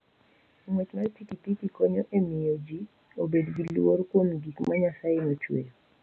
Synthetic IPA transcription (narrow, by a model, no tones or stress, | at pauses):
ŋwet͡ʃmatikitikikɔɲɔʔemɪjod͡ʒi | obedɡilworkwomɡikmaɲasajɪnot͡ʃwḛl